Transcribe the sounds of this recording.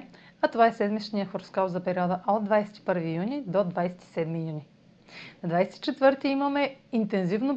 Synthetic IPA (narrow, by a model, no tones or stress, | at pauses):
ɐt̪ovaɛsɛd̪mit͡ʃniəxoɾskalt̪zɐpɛɾiɔd̪əʔɔd̪vajsɛ̥t̪i̥pɤɾvijunid̪od̪vajsɛ̥t̪i̥sɛd̪mijuni | nɐd̪vajsɛt̪i̥t͡ʃɛt̪vɤɾt̪iimɐmɛint̪ɛnzivno